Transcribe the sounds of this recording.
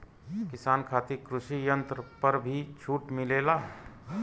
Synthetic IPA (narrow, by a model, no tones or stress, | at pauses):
kɪsaːnkʰaːt̪ikɾʊʃijə̃nt̪ɾəpəɾbʱit͡ʃʰuːʈmɪleːlaː